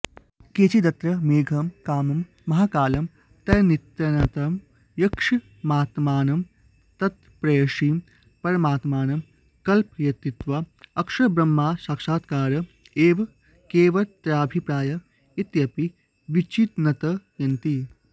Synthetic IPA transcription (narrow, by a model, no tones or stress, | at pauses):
keːt͡ʃid̪ɐt̪ɾɐmeːɡʱɐmkaːmɐmː | ɐɦaːkaːlɐm | t̪ɐjɐnit̪jɐnɐt̪ɐm | jɐkʂɐ | maːt̪maːnɐm | t̪ɐt̪̚ | pɾɐjɐʂiːm | pɐɾɐmaːt̪maːnɐm | kɐlpjɐt̪ːit̪ʋaɐkʂɐbɾɐmːaːsaːkʃaːt̪kaːɾɐ | eːʋ | keːʋɐt̪ɾaːbʱipɾaːjɐ | it̪jɐpi | ʋit͡ʃit̪nɐt̪ɐjɐnt̪i